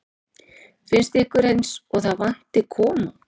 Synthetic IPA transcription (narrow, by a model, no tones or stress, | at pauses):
fɪnst̪ɪhkʏɾejnsɔɣθaðvan̥t̪ɪkʰɔːma